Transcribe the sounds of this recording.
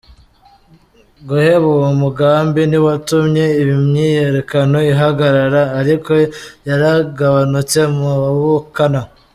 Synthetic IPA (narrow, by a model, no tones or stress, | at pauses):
ɡoheβuwmuɡaːmbiniwatumɲe̞iβimɲije̞ɾe̞kano̞iɦaɡaɾaɾaːɾiko̞jaɾaɡaβanut͡se̞muaβukana